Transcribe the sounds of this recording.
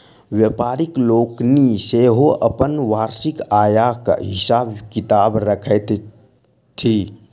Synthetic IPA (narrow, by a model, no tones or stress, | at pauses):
wjepaːɾɪkloːkniseɦoʔəpənʋaːɾsɪkaːjaka̰ɦɪsaːbkɪt̪aːbɾəkʰət̪ | t̪ʰi